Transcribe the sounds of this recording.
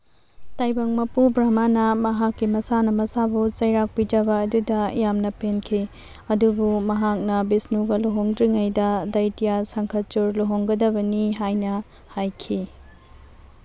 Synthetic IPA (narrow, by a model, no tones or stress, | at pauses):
tajbɐŋmɐpubɾamanɐmɐɦakːimɐsanɐmɐsabut͡ʃɐjɾak̚pid͡ʒɐbɐːdudɐjamnɐpenkʰi | ɐdubumɐɦak̚nɐbisnuɡɐloɦoŋdɾiŋɐjdɐdɐjtijasɐŋkʰɐt͡ʃuɾloɦoŋɡɐdɐbɐniɦajnɐ | hajkʰi